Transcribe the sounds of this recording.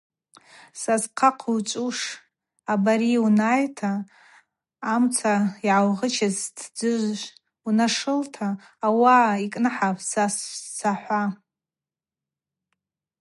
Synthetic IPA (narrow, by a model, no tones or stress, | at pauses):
sazqʰaqʰwt͡ʃʷʼuʂ | abaɾiwunajtʰa | mt͡sʰaiʕawʁət͡ʃʰaztʰd͡zɨʒʷʒʷ | unaʂɨltʰaː | waikʼnɨħapʰsast͡sʰaħʷa